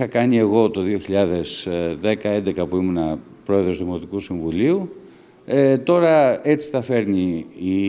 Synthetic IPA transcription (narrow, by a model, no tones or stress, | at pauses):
ixɐkɐnie̞ɣo̞t̪o̞ðioçiʎɐðe̞zðe̞kɐe̞nd̪e̞kɐpuimunɐ | pɾo̞e̞ðɾo̞zðimo̞t̪ikusiɱvuliu | et̪o̞ɾɐe̞t͡si̥θɐfe̞ɾniː